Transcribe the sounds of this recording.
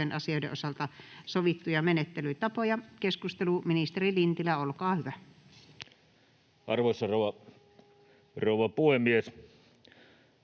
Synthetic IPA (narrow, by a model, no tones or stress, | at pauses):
enʔɑsioˑidḛʔosɑlt̪ɑsoʋit̪ːujɑmenet̪ːelyit̪ɑpojɑkeskust̪eluminist̪erilint̪ilæolkɑːhyʋæ | ʔɑrʋoˑsːɑroˑuwʋɑ | roˑuʋˑɑpuhemːies